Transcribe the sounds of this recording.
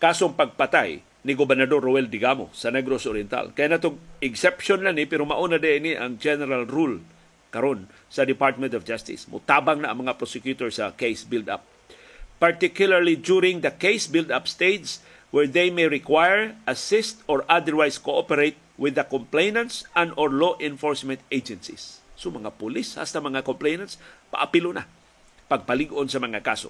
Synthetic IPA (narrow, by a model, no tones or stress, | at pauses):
kaːsoŋpɐɡ̚pat̪aj | nɪɡobɛɾnad̪orːowɛld̪ɪɡamo̰sɐnɛɡɾosoɾjɛnt̪a̰lkɐjanat̪oŋɪɡsɛpʃonlanɪpɛɾomaʔunad̪ɛʔɪniʔa̰ŋd͡ʒɛnɛɾalɾul | kɐɾon | sɐd̪ɪpaɹt̪̚mɛnt̪ɔfd͡ʒast̪ɪ̰smʊ̰t̪abaŋnaʔːŋmɐŋapɾosɛkjut̪oɹsakejsbɪld̪a̰p̚ː | aɹt̪ɪkjʊlaɹlid͡ʒuɾɪ̃ŋd̪ɐkejsbɪld̪apst̪ejt̪s | wɛɹðejmejɹɪkwajɛɹʔɐsɪst̪ɔɹʔad̪əɹwajskoʔopɛɾejt̪̚wɪðɐkomplejnɐ̃nt̪sɐ̃nd̪ɔɹloʔɪ̃nfoɹsmɛ̃nt̪ejd͡ʒɛnsḭsːomɐŋapʊlisha̰st̪amɐŋakomplejnãnspa̰ʔapilʊna̰ | pɐɡ̚pɐlɪɡʔonsɐmɐŋakaso̰